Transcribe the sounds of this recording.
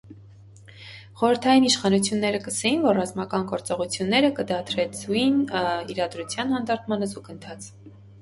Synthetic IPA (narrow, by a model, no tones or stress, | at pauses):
χɔɾəɾt̪ʰɑjiniʃχɑnut͡sʰjunːɛɾəkəsɛjinvɔrːɑzmɑkɑnɡɔɾt͡sɔʁut͡sʰjunːɛɾəkəd̪ɑt̪ʰɾɛt͡sʰujiniɾɑd̪ɾut͡sʰjɑnhɑnd̪ɑɾt̪ʰmɑnəzukənt̪ʰɑt͡sʰ